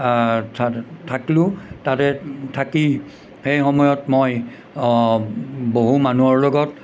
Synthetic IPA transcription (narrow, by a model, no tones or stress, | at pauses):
tʰatʰakilʊ̃tatɛtʰaki | xejxɔmɔjɔtmoj | boɦumanuɔɹlɔɡɔt